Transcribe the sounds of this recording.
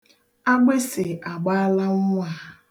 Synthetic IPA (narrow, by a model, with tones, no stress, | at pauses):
a˦ɡ͡be˦sɪ˨ʔa˨ɡ͡ba˦a˦la˦ŋ̩ʷ˦a˨